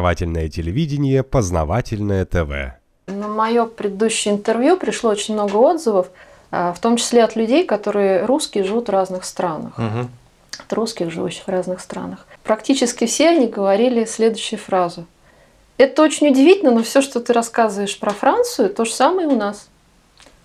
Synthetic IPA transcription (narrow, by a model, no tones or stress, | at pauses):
va̰tʲɪlʲnəjətʲɪlʲɪvʲidʲɪnʲɪjəpəznɐ̰vatʲɪlʲnəjət̪ɛvɛ̰ | nəmɐjo̞pɾʲɪd̪ɨd̪uɕːɪjəɪnt̪ɨrvjupɾʲɪʂlˠoot͡ɕɪnʲmno̞ɡəo̞d̪zəvəf | əft̪o̞mt͡ɕɪ̥sʲlʲeɐt̪lʲʉdʲejkɐt̪o̞ɾɨjəɾuskʲɪjəʐɨvut̪vraznɨxst̪ɾanə̰x | ɐt̪ɾuskʲɪxʐɨvṵɕːɪ̥xvraznɨxst̪ɾa̰nəxpɾɐktʲit͡ɕɪskʲɪfsʲeɐnʲiɡəvɐɾʲilʲɪsʲlʲe̞d̪ʊjɕːʊjʊfɾazʊ | ɛt̪əo̞t͡ɕɪnʲʊdʲɪvʲitʲɪlnənofsʲo̞ʂt̪ot̪ɨɾɐskazɨvəjɪʂpɾɐfɾant̪sʊjʊt̪o̞ʐəsaməjəʊnas